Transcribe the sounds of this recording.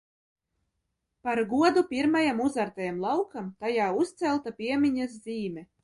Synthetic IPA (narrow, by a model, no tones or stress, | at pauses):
paɾɡuɔd̪upʲiɾmajamuzaɾt̪ajamlˠɑwkamt̪ajaːust̪sɛlˠt̪apʲiɛmʲiɲas̬ziːmʲɛ